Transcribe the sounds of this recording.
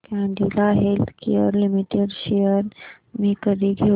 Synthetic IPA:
kãɖilaɦelt̪kʰḭə̰ɾlimiʈeɖʃejəɾ | mẽkəɾiɡʱe

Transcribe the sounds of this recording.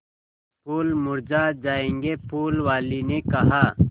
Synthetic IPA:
puːlmʊɾd͡ʒaːd͡ʒaːẽːŋɡepuːlwaːlinekɐɦaː

